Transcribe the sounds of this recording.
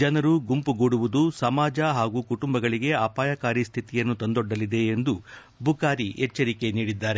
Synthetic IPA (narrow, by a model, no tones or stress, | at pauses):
d͡ʒɐnɐɾuɡumpuɡoːɽuʋud̪usɐmaːd͡ʒɐɦaːɡuːkuʈumbɐɡɐɭiɡe̞aːpaːjɐkaːɾist̪ʰit̪ijɐnːut̪ɐnd̪ɔɖːɐlid̪e̞ːnd̪u | bʱukaːɾiɛt͡ʃːɐɾike̞niːɽid̪ːaːɾe